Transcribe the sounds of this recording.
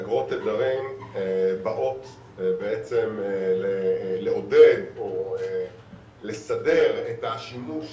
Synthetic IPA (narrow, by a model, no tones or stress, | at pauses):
ɡʁo̞t̪ed̪aʁim | baʔo̞t̪ | beet͡semleleo̞de̞doe | le̞sade̞ʁet̪aʃinuʃ